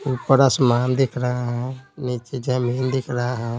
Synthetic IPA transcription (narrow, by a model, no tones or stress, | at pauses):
upəɾasmaːnd̪ekʰɾaɦaɦɛ̃nit͡ʃed͡ʒameːnd̪ekʰɾaɦaɦɛ̃